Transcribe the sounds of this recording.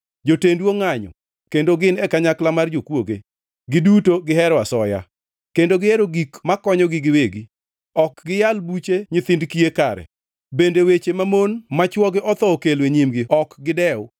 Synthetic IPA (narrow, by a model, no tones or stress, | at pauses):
d͡ʒotendwoŋaɲɔ̰ | kendoɡɪnɛkaɲaklamard͡ʒokwoɡe | ɡɪdutoɡɪɦɛɾwasɔja̰ | kendoɡɪeɾoɡikmakɔɲɔɡɪɡɪweɡi | ɔkɡɪjalbut͡ʃeɲɪt̪ɪndkiekaɾɛ̰ | bendewet͡ʃemamonmat͡ʃwɔɡɪʔɔt̪ɔokelweɲimɡɪɔkɡɪdɛʊ